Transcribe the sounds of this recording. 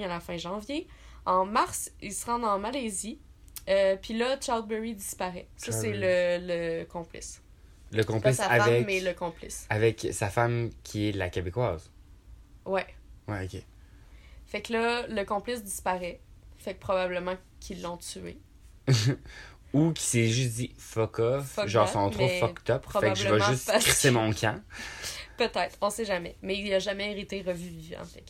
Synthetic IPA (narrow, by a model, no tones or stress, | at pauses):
alafɛ̃ʒɑ̃vje | ɑ̃maʁsilsəʁɑ̃d̪ɑ̃malezi | øpɥilʌt͡ʃaʁld̪̚bɛʁid̪ispaʁɛsʌsɛlələkɔ̃plɪ̰s | ləkɔ̃plisaafavɛːɛləkɔ̃plɪ̰savɛksafamkʲʰiɛlakʲebekwaːz | wɛwɛokʲe | fɛklʌləkɔ̃plɪsd̪ispaʁɛfɛk̚pχɔbabləmɑ̃ | kʲʰilːɔ̃t̪yḛ | ukʲʰi̥sɛʒysd̪ifɔkɔffɔʒɑ̃ʁsɔ̃t̪χoffɔkt̪ɔpɔbɛkaʒəvamʒ̃yst̪χisemɔ̃kʲʰɛ̃ | pət̪ɛɪt̪χɔ̃sɛʒamɛmɛiliaʒamɛeʁit̪eʁəvyviɑ̰̃fɛk